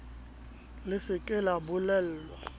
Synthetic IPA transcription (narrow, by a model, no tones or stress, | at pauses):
lɪsɪkʼɪlabʊlɛl̩lwa